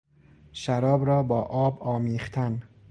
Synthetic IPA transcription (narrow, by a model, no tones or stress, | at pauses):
ʃæɾɒːbɾɒːbɒːʔɒːbɒːmiːχt̪ʰæn